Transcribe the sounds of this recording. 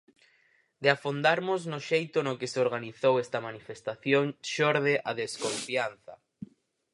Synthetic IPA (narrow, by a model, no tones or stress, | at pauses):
d̪eafond̪aɾmʊznʊʃejt̪ʊnokeseoɾɣaniθowɛst̪ɐmanifest̪aθjoŋʃoɾðeʔaðeskoɱfian̟θɐ̰